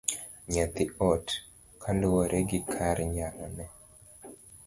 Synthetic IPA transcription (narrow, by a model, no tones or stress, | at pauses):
ɲat̪iʔɔt | kʰandewɔɾʔeɡikʰaɾiɲanɔnɛ